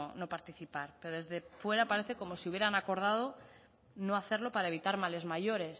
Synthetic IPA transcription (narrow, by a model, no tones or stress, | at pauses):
ono̞paɾt̪iθipaɾpe̞ɾo̞ðe̞zðe̞fwe̞ɾapaɾe̞θeko̞mo̞siuβje̞ɾanako̞ɾð̞að̞o̞ | no̞aθe̞ɾlo̞paɾaeβit̪aɾmale̞zmaʝo̞ɾe̞s